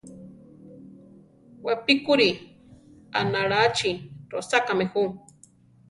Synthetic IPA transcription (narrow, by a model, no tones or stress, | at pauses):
wapikuɾi | a̰naɾat͡ʃiɾosakamehu